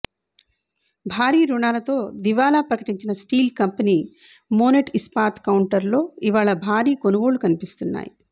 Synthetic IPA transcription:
bʱaːɾiːɾuɳaːlɐt̪o̞ːd̪iʋaːlaːpɾɐkɐʈiɲt͡ʃinɐsʈiːlkɐmpɐniː | moːneʈispaːɾt̪kɐwɳʈɐɾlo̞ːiʋaːɭɐbʱaːɾiːko̞nuɡoːɭukɐnipist̪unːa̰ːjḭ

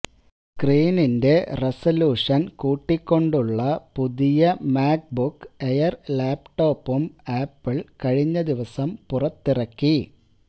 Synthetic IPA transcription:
kriːninde̞resɐluːʂɐnkuːʈːikʲːo̞ɳɖuɭːɐpuðijɐmaːk̚bukːejɐrlaːpʈo̞ːpːumaːpːiɭkɐɻiɲːɐd̪iʋɐsɐmpurɐt̪ːirɐkːi

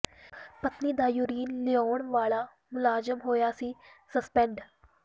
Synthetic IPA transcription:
pət̪niːd̪aːjʊɾiːnlɪjoːɳʋaːɭaː | mʊlaːzəmɦoːjaːsiːsəspɛ̃ɳɖ

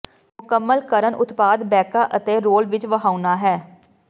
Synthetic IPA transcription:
mʊkəmːəlkəɾənʔʊ̰t̪paːd̪bɛːkaːʔət̪eːɾoːlʋɪt͡ʃʋəɦaːʊnaːɦɛː

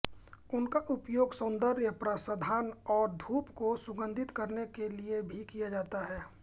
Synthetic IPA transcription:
ʊnkaʔʊpjoːɡsə̃nd̪əɾjəpɾasad̪ʱaːnɔːɾd̪ʱuːpkosʊɡə̃nd̪ʱɪt̪kəɾnekeliebʱikijad͡ʒaːt̪aɦɛː

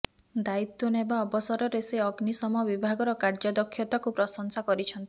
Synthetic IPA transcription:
d̪ait̪wɔnebaɔbɔsɔɾɔɾeseɔɡnisɔmɔɔbibʱaɡɔɾɔkaɾd͡ʒɔd̪ɔkʰːjɔt̪akupɾɔsɔŋsakɔɾit͡ʃʰɔnt̪i

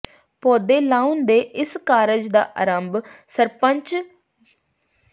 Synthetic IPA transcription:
poːd̪eːlaːund̪eːʔɪskaːɾəd͡ʒd̪a̰ːʔə̰ɾəmbsəɾpəɲt͡ʃ

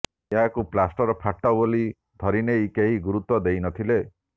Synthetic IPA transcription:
eɦakuplasʈɔɾɔpʰaʈːɔboli | d̪ʱɔɾinejkeɦiɡuɾut̪wɔd̪ejnɔt̪ʰile

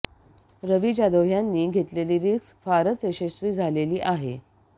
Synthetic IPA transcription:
ɾəʋid͡ʑad̪əʋjanːiːɡʱet̪leliːɾiːksfaɾət͡seɕesʋiːd͡zʱaleliːʔaɦḛ

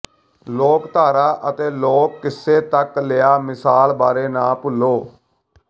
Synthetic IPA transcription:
loːkt̪aːɾaːʔət̪eːloːkːɪsːeːt̪əkleːaːmɪsaːlbaːɾeːnaːpʊlːoː

